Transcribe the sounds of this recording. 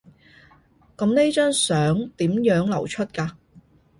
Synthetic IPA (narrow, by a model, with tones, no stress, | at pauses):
kɐ˨˥mne˥t͡ʃœː˥ŋsœː˨˥ŋt̪iː˨˥mjœː˨˥ŋlɐ˨˩wt͡ʃʰɵ˥t̚kaː˧